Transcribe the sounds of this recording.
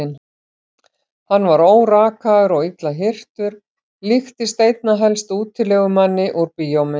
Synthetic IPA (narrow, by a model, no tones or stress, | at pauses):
ɪn | hanːvaɾoːwraːkaðʏɾɔɣit̪laɦɪr̥t̪ʏɾ̥ | lɪxt̪ɪst̪eːjt̪̚naɦɛlst̪uːt̪ʰːɪlɛɣʏmanːɪʔuɾpiːjomɪ